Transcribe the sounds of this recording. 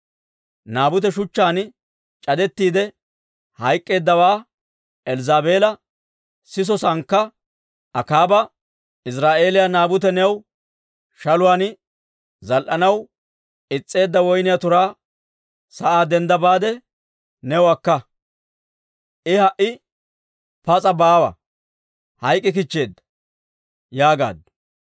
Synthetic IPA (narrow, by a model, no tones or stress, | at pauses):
naːbʊt̪ɛʃʊt͡ʃːaːn | t͡ʃʼɐd̪ɛt̪ːiːd̪ɛ | hɐjkʼːe̞ːd̪ːɐwaː | ɛlzaːbeːlɐ | sɪs̬ɔsɐŋkːɐ | ʔɐkaːbɐ | ɪs̬ɾaːʔe̞ːlɪjanaːbʊt̪̬ɛnɛw | ʃɐlʊwaːn | zɐlʔɐnɐw | ɪt͡sʼːe̞ːd̪ːɐwɔjnɪjat̪ʊɾaː | sɐʔaːd̪ɛnd̪ɐbaːd̪ɛ | nɛwɐkːɐ | ʔɪhɐʔɪ | pɐt͡sʼɐbaːwɐ̰ | hɐjkʼːɪk̬ɪt͡ʃːe̞ːd̪ːɐ̥ | jaːɡa̰ːd̪